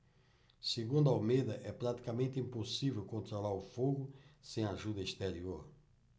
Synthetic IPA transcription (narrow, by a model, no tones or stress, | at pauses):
siɣũnd̪awmeðɐʔɛpɾat̪i̥kɐmẽnt̪ĩmpusivɛwkõnt̪ɾolaɾufoɣusẽj̃aʒuðɐiʃt̪eɾioɾ